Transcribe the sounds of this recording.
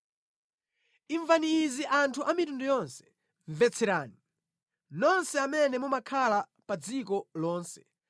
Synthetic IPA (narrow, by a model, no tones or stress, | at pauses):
iɱvaniːziʔantʰuʔamitundɔjɔnsɛ̥ | ɱvɛt͡sʰɛɾaːni | nɔnsɛamɛnɛmumakʰala | pad͡zikɔlɔːnsɛ̥